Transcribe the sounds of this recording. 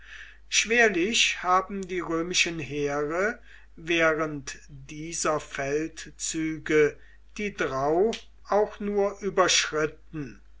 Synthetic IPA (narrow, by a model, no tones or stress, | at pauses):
ʃv̥eːɐlɪɕhaːbm̩diːʁøːmɪʃənɦeːʁə | veːʁəntd̥iːzɐfɛltt͡syːɡə | d̥iːdʁaʊ | ʔaʊxnuːɐʔyːbɐʃʁ̥ɪt̚n̩